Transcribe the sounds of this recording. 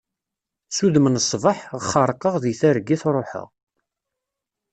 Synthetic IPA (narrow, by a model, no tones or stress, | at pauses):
suðmənsˤvəħʁəχːəɾˤqəʁðiθæɾɡːiθɾˤoħə̰ʁ